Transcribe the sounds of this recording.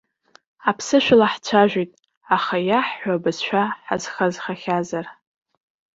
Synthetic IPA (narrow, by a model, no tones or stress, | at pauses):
apʰsɨʃʷᶣalaħt͡ɕʷʰaʒʷᶣitʼ | aχajaħħʷabɨzʃʷᶣaħaz̥χazχaχʲazar